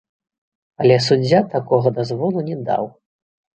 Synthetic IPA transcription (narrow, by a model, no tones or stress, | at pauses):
ɐlʲɛsud͡zʲːat̪akɔɣɐd̪azvɔlˠunʲɛd̪a̰w